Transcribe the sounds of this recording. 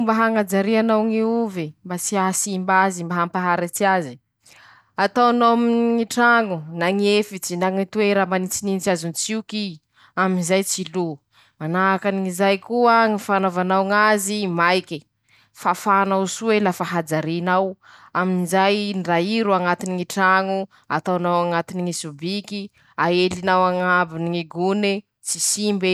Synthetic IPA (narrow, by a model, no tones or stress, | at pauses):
mbaɦaŋad͡ʒaɾianawŋiuvembat͡siasimbazimbaɦampaɦaɾat͡siazi | at̪awnominŋiʈ͡ʂaŋunaŋiefit͡sinaŋit̪ueɾamanit͡sininit͡siazunt͡siuki | aminzajt͡silu | manakaniŋizajkuaŋifanovanawŋazimajkʲi | fafanawsuelafaɦad͡zaɾinaw | aminizajnraiɾuaŋat̪iniŋiʈ͡ʂaŋu | a̰t̪awnawaŋat̪iniŋisubiki | aelinawaŋabiniŋiɡune | t͡sisimbe